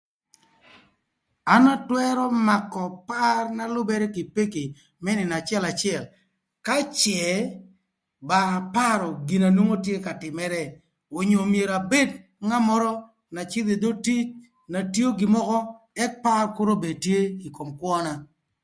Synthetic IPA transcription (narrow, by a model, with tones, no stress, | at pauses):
a˦na˦twɛ˦ɾɔ˦ma˨kːɔ˨pa˦rna˦lʊ˦bɛ˦ɾɛ˦ki˨pe˦ke˨ | mɛ˦nɪ˨na˨t͡ʃɪɛ˦la˨t͡ʃɪɛ˦˨l | ka˦t͡ʃɛ˨ | ba˨pa˦ɾɔ˨ɡi˨na˨no˦ŋo˦tje˦ka˨tɪ˨mɛ˦ɾɛ˦ | o˨ɲo˨mje˨ɾa˨be˦d | ŋa˦mɔ˦ɾɔ˦ | na˨t͡ʃɪ˦d̪e˨d̪o˦ti˦t͡ʃ | na˨tjo˦ɡɪ˨mɔ˦kɔ˦ | ɛ˦k̚pa˦rkʊ˦ɾo˦be˨d̚tje˦i˨ko˨mkwɔ˦na˦